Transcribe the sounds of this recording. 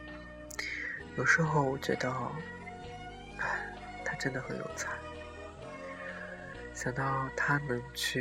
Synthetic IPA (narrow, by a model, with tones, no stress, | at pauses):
jo˨˩ʊʂɻ̩˧˥xo˥˧ʊwɔ˨˩t͡ɕɥɛ̰˧˥d̪ə˧˥˧ | a˥˩ɪ | t̪ʰa˥ʈ͡ʂə˥nd̪ə˨˩xə˨˥nljo̰˨˥ʊt͡sʰa˥˩ɪ | ɕjɑ˨˩ŋt̪ɑ˥˩ʊt̪ʰa˥nɤ˧˥ŋt͡ɕʰy˥˩